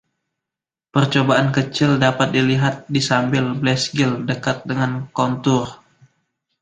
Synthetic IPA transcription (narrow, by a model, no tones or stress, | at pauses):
pərt͡ʃobaʔankət͡ʃɪldapat̪̚diliɦat̪̚disambɪlblɛsɡɪldəkat̪̚dəŋankont̪ʊr